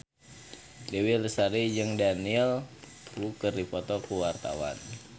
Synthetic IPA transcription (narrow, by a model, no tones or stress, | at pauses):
dewilsaɾid͡ʒəŋdaniɛl | ukərdipɔt̪ɔkuwart̪a̰wa̰n